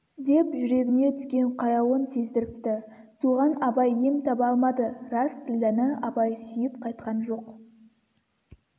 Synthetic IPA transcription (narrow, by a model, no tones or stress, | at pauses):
d̪e̞pʒʏɾe̞ɡʲɪne̞t̪ʰʏ̥skʲe̞ɴqʰɑjɑwonse̞zd̪ɪɾɪp̚t̪ɪsuʁɑnɑbɑjːe̞mt̪ʰɑpɑlˠmɑd̪əɾɑst̪ʰɪld̪ænɪɑbɑjsʏjɪpqʰɑjt̪qɑnʒo̞q